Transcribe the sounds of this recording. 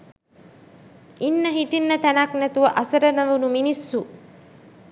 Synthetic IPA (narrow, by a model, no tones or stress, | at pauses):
inːəɦiʈinːət̪ænaknæt̪uʋəʔɐsəɾənəʋunuminisːu